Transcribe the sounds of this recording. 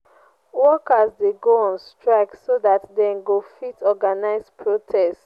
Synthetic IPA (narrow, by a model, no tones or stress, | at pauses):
wɔkasdeɡoɔ̃nstɹaɪksodatdɛ̃nɡofitʰɔɡanaɪzpʰɹotʰɛst